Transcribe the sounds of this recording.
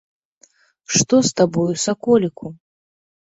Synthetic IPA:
ʂt̪ɔst̪abɔjusakɔlʲikʰu

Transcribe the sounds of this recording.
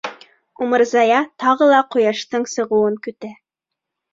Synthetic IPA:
umɤ̆ɾzɑjɑt̪ɑʁɤlˠɑqŏjɑʃt̪ɤɴsɤ̆ʁɤ̆wɤŋkɵ̆t̪æ

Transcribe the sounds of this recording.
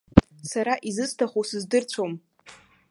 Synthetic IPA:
saɾaʔizɨstʰaχʷosɨzdɨrt͡ɕʷʰom

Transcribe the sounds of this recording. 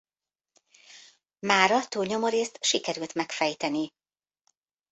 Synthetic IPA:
maːɾɒt̪uːlɲo̞moɾeːst̪ʃikɛɾylt̪mɛkfɛjt̪ɛni

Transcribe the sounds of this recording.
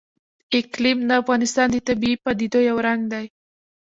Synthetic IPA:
ɪklimd̪əafɣɑnɪst̪ɑnd̪ət̪abiipɑd̪id̪ojawɾaŋɡ̚d̪aj

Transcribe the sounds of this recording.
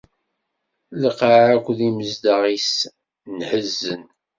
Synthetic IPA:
ləqaʕækʷðiməzd̪əʁis | nħəzːən

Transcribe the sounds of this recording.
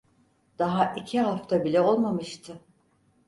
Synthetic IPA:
d̪̥aɦaʔicʰiɦaft̪ʰabilʲɛo̞lˠmamɯʃt̪ʰɯ

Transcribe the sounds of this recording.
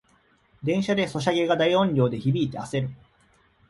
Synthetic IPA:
d̪ẽ̞ɰ̃ɕad̪e̞so̞ɕaɡe̞ɡad̪aiõ̞ɲɾʲo̞ːd̪e̞çibʲiːt̪e̞ase̞ɾɯ̟

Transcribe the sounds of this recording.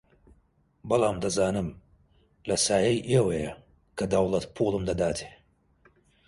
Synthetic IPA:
bɐlˠaːmd̪ɐzaːnɨm | lɐsaːjɐjʔewɐjɐ | kʰɐd̪ɐwlˠɐt̪pʰuːlˠɨmd̪ɐd̪aːt̪ʰe̥ː

